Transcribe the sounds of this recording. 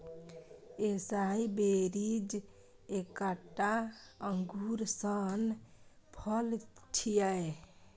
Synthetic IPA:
esaibeɾid͡ʒ | ekaʈːaəŋɡʱuɾsən | pʰəlt͡ʃʰijəj

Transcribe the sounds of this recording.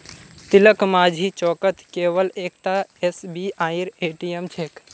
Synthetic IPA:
t̪iləkmaːd͡ʒʱit͡ʃɔːkət̪keːʋəleːk̚t̪aesbiaːiɾeːʈiemt͡ʃʰek

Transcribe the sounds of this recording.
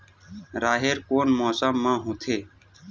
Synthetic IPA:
ɾaːɦeːɾkoːnmoːsəmːãːɦõːt̪ʰeː

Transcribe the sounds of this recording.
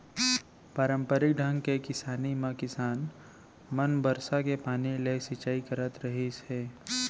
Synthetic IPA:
paːɾə̃mpəɾɪk̚ɖʱə̃ŋɡkekɪsaːnimãkɪsaːn | mənbəɾsakepaːnilesɪt͡ʃaːikəɾət̪ɾəɦisɛː

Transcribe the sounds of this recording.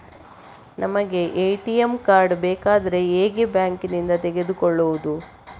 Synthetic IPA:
nʔɐmɐɡe̞ʔejʈijemkaːɾɖbeːkaːd̪ɐɾe̞eːɡebjaːŋkinind̪ɐt̪eɡe̞d̪ukɔɭːoʋud̪u

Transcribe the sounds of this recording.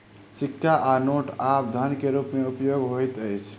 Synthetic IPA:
sikʰːaʔanoʈap̚d̪ʱənkeɾupmeupjoɡɦojt̪əjt͡ʃʰ

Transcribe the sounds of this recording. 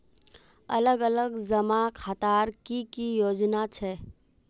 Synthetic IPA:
ɐləɡələɡzəmakʰaːt̪aːɾkikijoːd͡ʒnat͡ʃʰɛ

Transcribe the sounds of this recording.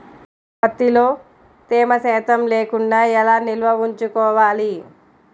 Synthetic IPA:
bɐt̪ːiloː | t̪eːmɐsɛːt̪ɐmleːkuɳɖaːɛlaːnilʋɐʋuɲt͡ʃukɔːʋaːli

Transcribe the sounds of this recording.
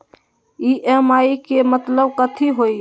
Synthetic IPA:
iʔemaːikemət̪ləbkət̪ʰiɦoi

